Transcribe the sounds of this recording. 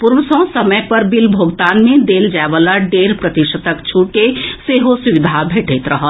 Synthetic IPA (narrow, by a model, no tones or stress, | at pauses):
puɾʋəsɔ̃səməjpəɾbilbʱoɡt̪anmẽd̪eld͡ʒaeʋalaɖeːɾpɾət̪iʃət̪əkt͡ʃʰuɽkeseɦosuʋid̪ʱabʱeʈʰet̪ɾəɦəl